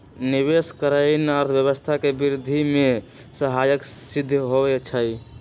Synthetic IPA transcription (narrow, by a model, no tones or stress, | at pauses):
niβeskəɾəɪnəɾt̪ʰbjəβəst̪ʰakebiɾd̪ʱimesəɦajəksid̪ʱːɦoβɛt͡ʃʰəj